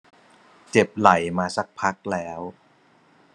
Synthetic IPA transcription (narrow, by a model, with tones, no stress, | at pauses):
t͡ɕe˨˩p̚la˩˦jmaː˧sa˦˩k̚pʰa˦˥k̚lɛː˦˥w